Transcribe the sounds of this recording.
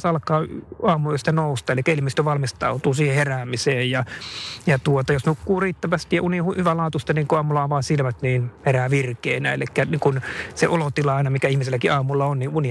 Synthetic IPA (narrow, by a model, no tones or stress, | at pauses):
sɑlkˑɑːɑːmuoist̪ænoust̪ɑːelikːæilmist̪øʋɑlmist̪ɑut̪uːsiːheheræːmiseːjjɑjɑt̪uot̪ɑjosnukːuːriːt̪ːæʋæst̪ijjɑʔunihuhyʋælɑːt̪ust̪ɑniːŋkuɑːmulɑɑʋɑːsilmæt̪niːnheræːʋirkeːnæḛlikːæniːŋkunseʔolot̪ilɑɑˑinɑmikæihmiselːækiʔɑːmulːɑonniːuni